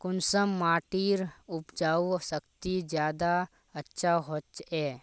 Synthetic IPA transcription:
kʊnsəmːaːʈiːɾʊpd͡ʒaːusəkt̪id͡ʒjaːd̪a | ɐtːʃʰaɦotɛː

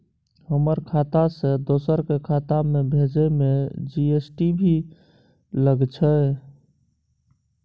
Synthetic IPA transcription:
həməɾkʰat̪asẽd̪osəɾkekʰat̪amebʱed͡ʒəmed͡ʒiesʈibʱi | ləɡt͡ʃʰə

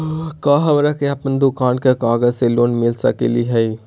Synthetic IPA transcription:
kaɦəbɾəkeəpənd̪ukaːnkekaɡəd͡ʒselonmilsəkḛliɦəi

